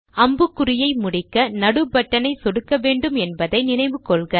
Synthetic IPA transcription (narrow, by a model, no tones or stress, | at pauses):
ɐmbɯkːɯɾɪjɐɪmʊɽɪkːɐnɐɽɯbɐʈːɐnɐɪsɔɽɯkːɐʋeːɳɖɯmɛnbɐðɐɪnɪnɐɪʋɯkɔɭɣɐ